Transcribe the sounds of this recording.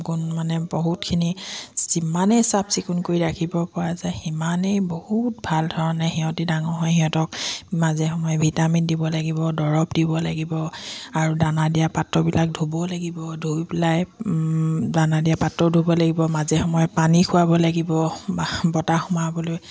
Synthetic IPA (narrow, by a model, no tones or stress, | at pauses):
kunmanɛbɔɦutkʰinisimanejsapsikunkoɹidakʰibɔpɔɹazɛimanejbohut̚bʱaldʱɔɹɔnɛxiɦɔ̃tidaŋɔɦɔjhiɦɔ̃tɔkmazɛxɔmɔjɔbʱitamindibɔlaɡibɔdɔɹɔpdibɔlaɡibɔaɹudanadijapatːɔbilak̚dʱubɔlaɡibɔdʱujbilaj | danadijapatɹɔdʱubɔlaɡibɔmazɛxɔmɔjɔpanikʰʊwabɔlaɡibɔbɔtaxɔmabɔloj